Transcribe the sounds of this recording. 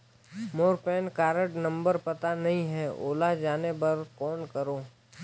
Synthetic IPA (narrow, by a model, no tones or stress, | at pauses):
moːɾpɛːnkaːɾə̃ʈnɐ̃mbəɾpɐt̪anɐɦĩɦɛo̰ːlad͡ʒaːnepɐɾkɔːnkəɾoː